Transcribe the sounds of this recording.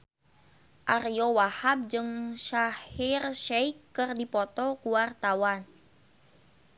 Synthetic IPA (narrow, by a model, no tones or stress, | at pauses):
ʔariowahab̚d͡ʒɨŋʃahirʃɛikːɨrdipɔt̪ɔkuwart̪awan